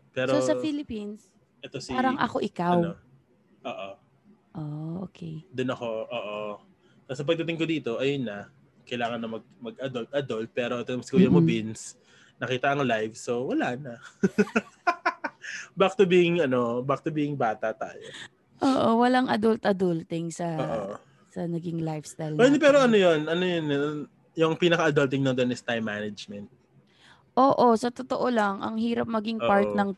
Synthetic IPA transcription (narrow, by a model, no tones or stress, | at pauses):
pɛːɾoosɐfilɪpins | ʔɛt̪osiaːɾɐŋɐ̰koʔɪkawo | ʔoːʔo | ʔoo̰ːkʰɛjd̪onɐko̞ʔoːʔo | t̪asɐp̬ɐɡ̚t̪ɐt̪ɪŋkod̪iːt̪o̞ʔɐjonːɐ | kɐjlaːŋɐnːɐmɐɡ̚mɐɡ̚ʔɐd̪olt̪̚ʔɐd̪olt̪̚pɛːɾo̞ʔɛt̪omsɪkojɐmobins | nɐkiːt̪ɐʔɐŋlajvsowɐlanɐ | bak̚t̪ʊbiʔɪŋɐno̞bak̚t̪ʊbiɪŋbaːt̪ɐt̪a̰ːjo | ʔoːʔowɐlaŋʔɐd̪ult̪ʔɐd̪ult̪ɪŋsɐoːʔo | sɐnɐɡɪŋlajfst̪ajlpɛd̪ɛpɛːɾoʔɐnojonɐnojon | jʊŋpiːnɐkɐɐd̪ɐlt̪̬ɪŋnod̪onɪst̪ajmːanɐd͡ʒmɛnt̪̚ | ʔoːʔo̞sɐt̪ot̪oʔolɐŋʔɐ̰ŋhiːɾɐp̚mɐɡɪŋpaɹt̪nɐŋ